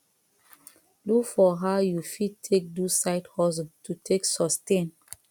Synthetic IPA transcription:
lukfɔɦaʊjufid̚tʰek̚dusaɪthɔzɔ̃ntʰutʰeksɔstẽn

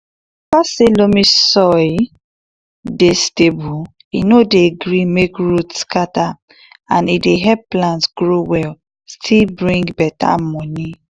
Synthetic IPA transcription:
faselomisɔj | destebu | inodeɡɹimekɹutskata | ãnideɦɛpplãntsɡɹowɛl | stʰilbɹĩŋɡbɛta̰mɔni

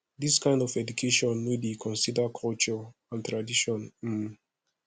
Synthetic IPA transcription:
ðiskãɪ̃ndɔvɛdukʰeʃɔ̃nwedikʰɔ̃nsidəkʰɔlt͡ʃɔãntɹadiʃɔ̃n̩

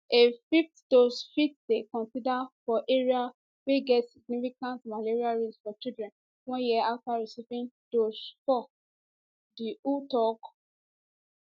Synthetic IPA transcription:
efiftd̥osfitdekɔ̃nsidafɔʔeɹia | weɡɛtsiɡ̚nifikãntmaleɹialɹisfɔt͡ʃidɹɛ̃n | wɔ̃njiɛaftaɹisipĩndosfɔ | diutɔk

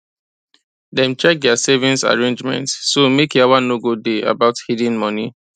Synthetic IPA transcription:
dɛ̃mt͡ʃɛk̚dɛasevĩnsa̰ɹẽnd͡ʒmɛ̰̃ntsːomekjawãnoɡudea̰baʊthidĩnmɔni

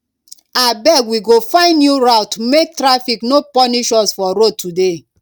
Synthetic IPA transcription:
abɛɡwiɡofãɪ̃ndjuɾaʊtumek̚tɾafiknopɔniʃɔsfɔɾotude

